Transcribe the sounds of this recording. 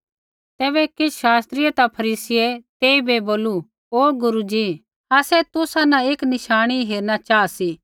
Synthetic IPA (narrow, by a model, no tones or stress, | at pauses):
t̪ɛːβɛkɪʃaːst̪ɾɪet̪apʰɐɾiːsɪɛt̪eːibeboːlu | oːɡʊɾud͡ʒi | aːsɛt̪ʊsanãeːknɪʃaːɽ̃iɦeːɾnat͡ʃaːasi